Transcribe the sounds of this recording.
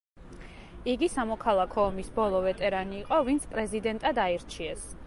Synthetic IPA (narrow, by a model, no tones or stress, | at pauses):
iɡisamɔkʰalˠakʰɔːmisbɔlˠɔvɛt̪ʼɛɾaniːqʼɔvint̪sʰpʼɾɛzid̪ɛnt̪ʼad̪aiɾt͡ʃʰiɛs